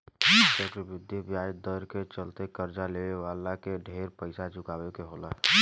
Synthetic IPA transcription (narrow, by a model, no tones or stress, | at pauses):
d͡ʒəɡɾbɪd̪jibjajd̪əɾket͡ʃəlt̪ekəɾd͡ʒaleʋewalakeɖʱeɾpəɪsad͡ʒʊkaːwekeɦolaɦ